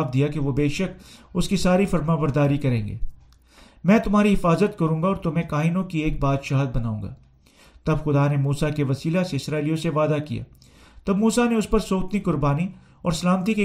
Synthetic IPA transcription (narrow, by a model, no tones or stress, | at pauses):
fd̪ijakeʋobeːʃəkʊskisaːɾifɐɾmãbɐɾd̪aːɾikɐɾẽːŋɡḛː | mɛ̃ːt̪ʊmɦaːɾiɦɪfaːzət̪kɐɾũːŋɡaɔːɾt̪omɛ̃kaːɪnõkieːk̚baːd̪ʃaːɦəd̪̚bɐnaːũːŋɡa̰ː | t̪ɐbxʊd̪anemuːsakeʋɐsiːlaseɪsɾaːɪlijõseʋaːd̪akija̰ː | t̪ɐbmuːsaneʊspɐɾsoːt̪nikʊɾbaːni | ɔːɾsɐlaːmət̪̬ike